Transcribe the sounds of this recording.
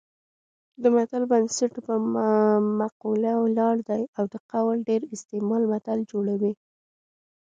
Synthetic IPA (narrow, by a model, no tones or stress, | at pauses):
d̪əmat̪albansaʈpə | maqulawlɑɽd̪ajawd̪əqawlɖeɾɪst̪emɑlmat̪ald͡ʒoɽawi